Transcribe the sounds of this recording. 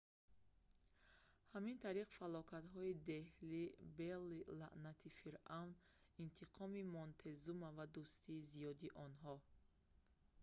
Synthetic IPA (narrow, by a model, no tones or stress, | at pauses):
hamint̪ʰaɾiqfalɔkʰat̪ɦɔid̪e̞hlibelilaʔnat̪ʰifiɾʔawnint̪ʰiqʰɔmimɔnt̪ʰezumavad̪ust̪ʰiːzijɔd̪iʔɔnɦɔ